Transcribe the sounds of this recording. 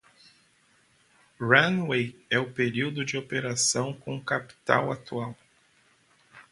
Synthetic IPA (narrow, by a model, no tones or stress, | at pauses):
ɾɐ̃nwejɛʊpeɾiwd̪ʊd͡ʒɪopeɾasɐ̃w̃kõkapi̥t̪a̰wat̪uaw